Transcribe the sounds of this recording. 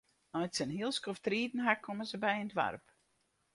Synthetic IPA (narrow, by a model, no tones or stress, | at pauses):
nɔjtsənɦiəlˠskoftriːtn̩ɦakʰːoməzəbɛjəndʋa̰rp